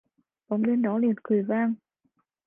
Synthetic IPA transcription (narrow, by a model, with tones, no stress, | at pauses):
ɓɔ˨˦ŋ͡mɗe˧nɗɔ˨˦li˨˩ənkɨ˨˩əjvaː˧ŋ